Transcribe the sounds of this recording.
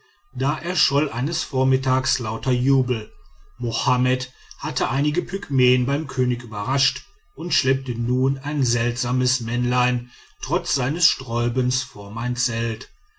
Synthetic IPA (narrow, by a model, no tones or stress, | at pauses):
d̥aːʔɛːɐʃɔlʔaɪnəsfoːɐmɪtʰaːkslaʊtɐjuːbl̩mohamɛthatʰəʔaɪnɪɡəpʰykmeːənbaɪmkʰøːnɪkʔyːbɐʁaʃt | ʔʊntʃlɛp̚tənuːnaɪnzɛltz̥aːməsmɛnlaɪntʁ̥ɔt͡sz̥aɪnəsʃtʁ̥ɔʏbənsfoːɐmaɪnt͡sɛlt